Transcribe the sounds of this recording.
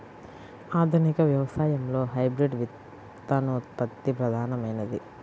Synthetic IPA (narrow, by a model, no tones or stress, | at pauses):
aːd̪ʱunikɐʋjɐʋɐsaːjɐmlo̞ːɦɐjbɾiɖʋit̪ː | aːnoːt̪̚pɐt̪ːipɾɐd̪ʱaːnɐmɐjnɐd̪i